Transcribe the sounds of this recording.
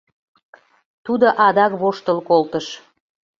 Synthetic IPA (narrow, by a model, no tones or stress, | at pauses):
t̪ud̪oʔɑd̪ɑkβoʃt̪əlkolt̪əʃ